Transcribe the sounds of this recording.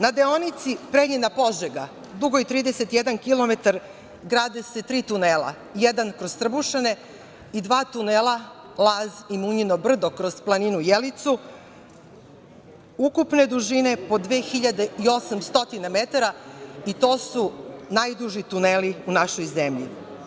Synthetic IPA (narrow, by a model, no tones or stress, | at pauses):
nad̪eonit̪sipɾeɲenapo̞ʒeɡa | d̪uɡo̞it̪ɾiːd̪ese̞t̪jed̪ankilo̞me̞t̪aɾ | ɡɾaːd̪ese̞t̪ɾiːt̪uneːlˠa̰ | jɛd̪ankɾo̞zt̪r̩buʃane̞ | id̪ʋaːt̪uneːlˠa | lˠaːzimuɲinobr̩d̪okɾoz̥plˠaninujelit̪su | ukupne̞d̪uʒine̞po̞d̪ʋeːxiʎad̪eio̞samst̪o̞t̪inamet̪aɾait̪o̞ːsunajd̪uʒit̪uneːliunaʃojzemʎḭ